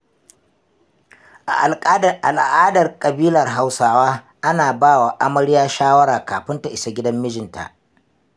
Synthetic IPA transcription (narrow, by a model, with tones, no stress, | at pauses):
ʔa̰˨ʔa˨lʼʔa˨lʔaː˦dɐ˨rkʼɐ˨biː˦lɐ˨rɦa˦wsaː˦waː˦ | ʔa˦naː˨baː˦˨wa˨ʔa˦mɐ˦ɽɪ˦jaː˦ʃaː˦wɐ˦ɽaː˨kaː˨ɸɪ˦nta˨ʔɪ˦sa˨ɡʲɪ˦dɐ˦mːɪ˦d͡ʒɪ˨nta̰˨ʔ